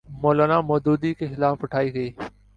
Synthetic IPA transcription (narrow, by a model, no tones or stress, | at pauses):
moːlaːnaːmɔːd̪uːd̪iːkexɪlaːfʊʈʰaːiːɡəiː